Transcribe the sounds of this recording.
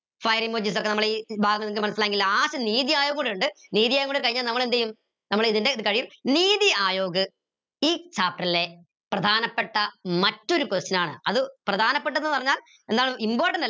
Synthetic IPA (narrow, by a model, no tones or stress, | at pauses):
fɐjɐriŋmoːd͡ʑiːs̬okːenɐmɐɭiːbʱaːɡɐŋːɐniŋkːɨmɐnɐsilaːeŋɡilːaːsɐniːðijaːjoːɣɐɡoɳɖuɳɖɨniːðijaːjɣŋːɡoɳɖkɐɻiɲːaːlnɐmːɐɭe̞nd̪ejum | nɐmːɐɭiðinde̞iðɨkɐɻijiniːðiaːjo̞ːɡɨ | iːt͡ɕaːp̚ʈrɐlːe̞ | prɐd̪ʱaːnɐpːeʈːɐmɐtːo̞ɾukost͡ɕːɐnaːɳɨ̰ɐðɨprɐd̪ʱaːnɐpːe̞ʈ̬ːɐðenːɨpɐrɐɲːaːl | e̞nd̪aːɳɨimbo̞ːrʈɐndɐ